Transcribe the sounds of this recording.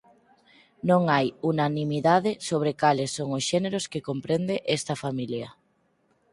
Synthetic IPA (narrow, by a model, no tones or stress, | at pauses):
nõŋajunanimiðaðɪsoβɾɪkalesːoŋosʃeneɾoskekompɾend̪eʔest̪ɐfamiljɐ